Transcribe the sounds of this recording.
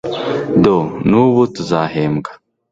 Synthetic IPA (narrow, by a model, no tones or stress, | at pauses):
donuβutuzaːheːmɡḁ